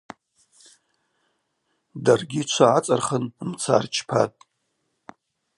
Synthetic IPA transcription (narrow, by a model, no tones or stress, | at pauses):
darɡʲit͡ʃʷʰaat͡sʼarχənmt͡sʰa̰rt͡ʃʰpʰa̰tʼ